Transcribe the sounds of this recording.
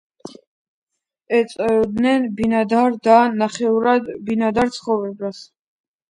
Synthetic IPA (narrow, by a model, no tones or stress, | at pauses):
ɛt̪sʼd̪nɛnbinad̪aɾd̪anaχɛuɾad̪binad̪aɾt̪sʰχɔvɾɛbas